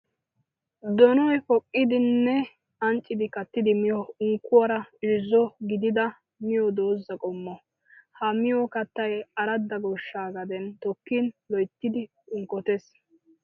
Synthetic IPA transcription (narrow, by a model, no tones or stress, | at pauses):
d̪ɔnɔjkɔkʼːɪd̪ɪnːɛ | ɐnt͡ʃʼːɪd̪ɪkɐt̪ːɪd̪ɪmɪjɔʊŋkːʊwɐɾɐɪɪzɔɡɪd̪ɪd̪ɐ | mɪjɔd̪oːzːɐkʼɔmːɔ | hɐmɪjɔkɐt̪ːɐjɐɾɐd̪ːɐɡɔʃːaːɡɐd̪ɛnt̪ɔkːinlɔjt̪ːɪd̪ɪ | ʊŋkɔt̪es